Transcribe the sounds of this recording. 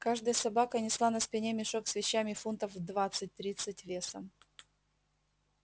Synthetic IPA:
kaʐd̪əjəsɐbakənʲɪslˠanɐspʲɪnʲemʲɪʂoksvʲɪɕːamʲɪfunt̪əfd̪vat̪sɨt̚ʲt̪ɾʲit̪sɨtʲvʲesə̰m

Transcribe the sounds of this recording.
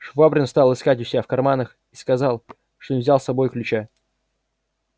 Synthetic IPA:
ʂvabɾʲɪnst̪ɑlˠɨskatʲʊsʲɪafkɐrmanəx | iskɐzɑlˠ | ʂt̪onʲɪvzʲalˠsɐbo̞jklʲʉt͡ɕa

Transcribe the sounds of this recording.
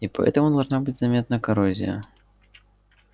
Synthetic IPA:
ipɐ̰ɛ̰t̪ɐmud̪alˠʐnabɨd͡zʲzamʲɛt̪nɐkaɾɔzʲḭjɐ̰

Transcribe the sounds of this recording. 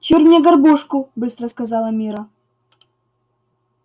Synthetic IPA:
t͡ɕirmʲnʲɛɡɐrbɔʂkʊbɨst̪ɾɐskɐzɑlˠɐmʲiɾɐ

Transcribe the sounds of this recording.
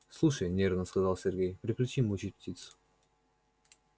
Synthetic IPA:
slˠuʂəjnʲeɾrvnəskɐzɑlˠsʲerɡʲejpɾʲɪklʲɪt͡ɕimʊt͡ɕit̚ʲptʲit̪sʊ̥

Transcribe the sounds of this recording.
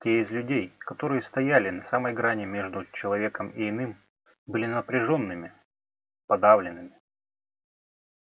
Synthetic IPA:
tʲeɪzʲlʲʉdʲejkɐt̪o̞ɾɨjəst̪ɐjalʲɪnɐsaməjɡɾanʲɪmʲe̞ʐd̪ʊt͡ɕɪlˠɐvʲe̞kəmiɪnɨm | bɨlʲɪnəpɾʲɪʐo̞nːɨmʲɪ | pɐd̪avlʲɪnɨmʲɪ

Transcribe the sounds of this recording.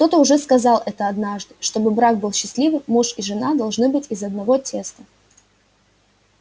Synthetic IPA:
kt̪o̞t̪əʊʐɛskɐzɑlˠʔɛt̪əɐd̪naʐd̪ɨʂt̪o̞bɨbɾaɡ̚bɨlˠɕːɪsʲlʲivɨmuʂɪʐɨnad̪ɐlˠʐnɨbɨtʲɪzɐd̪nɐvo̞tʲʰe̞st̪ə

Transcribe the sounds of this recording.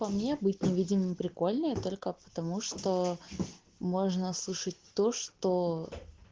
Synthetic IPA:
pɐmnʲebɨtʲnʲɪvʲidʲɪmɨmpɾʲɪko̞lʲnəjət̪o̞lʲkəpə̥t̪ɐmuʂt̪o | moʐnəslˠɨʂət̚ʲt̪o̞ʂt̪o

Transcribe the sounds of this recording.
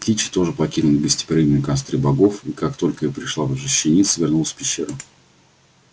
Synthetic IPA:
kʲit͡ɕɪ̥t̪o̞ʐɨpɐkʲinʊlʲɪbʲɪsʲtʲɪ̥pɾʲiɡ̪nɪkast̪ɾʲɪbɐɡo̞fikakt̪o̞lʲkəjapɾʲɪʂlˠavʐɨɕːɪnʲit̪svʲɪrnulˠsʲpʲɪɕːeɾʊ

